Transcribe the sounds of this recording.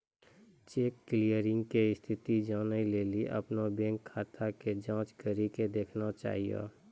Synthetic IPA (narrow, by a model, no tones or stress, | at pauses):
t͡ʃeːkːlijəɾɪ̃ŋɡkeɪst̪ʰɪt̪id͡ʒaːnaileːliʔə̰pnabɛ̃ːŋkʰːaːt̪ʰaked͡ʒãːt͡ʃkəɾiked̪eːkʰnat͡ʃa̰ːɦija̰ː